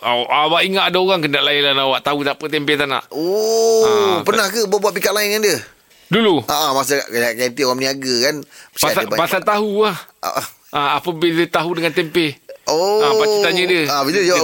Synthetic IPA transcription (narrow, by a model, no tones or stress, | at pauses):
aʔawaʔiŋat̪adaoɣaŋkənaʔlaɪlanawaʔt̪aɦut̪apət̪ɛmpet̪ana̰ʔoapərnahkəbuaʔbuat̪ʔ̚p̬ikat̪ʔ̪̚laɪnŋandjə | duluʔaʔamas̬əa̰ʔkaɡant̪ioɣaŋməniaɡəkanə̥t͡ʃpasaəbapasat̪aɦuaha̰ʔa | ʔaapəbilət̪aɦudəŋant̪ɛmpeoapait̪aɲə̃diəabit̪ud͡ʒa